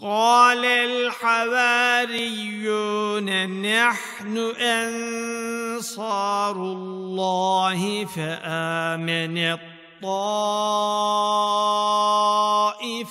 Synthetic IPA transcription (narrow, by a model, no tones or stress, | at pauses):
qɑːlalħawaːɾɪjːuːnanaħ | nʊʔan | sɑːɾʊlːɑːhɪfaʔaːmɪnat̪ˤːɑː | ʔɪ